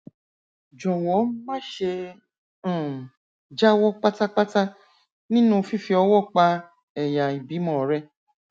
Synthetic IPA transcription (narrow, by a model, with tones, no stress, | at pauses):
d͡ʒɔ˨w̃ɔ̃˨˦mã˦ʃẽ˧˦˨ | d͡ʒa˦wɔ˦k͡pa˦ta˦k͡pa˦ta˦ | nĩ˦nũ˦˧fi˦fi˧ɔ˧wɔ˦˨k͡pa˧ | ɛ˨ja˨i˨bi˨˦mɔ̃˨ɾɛ˧˦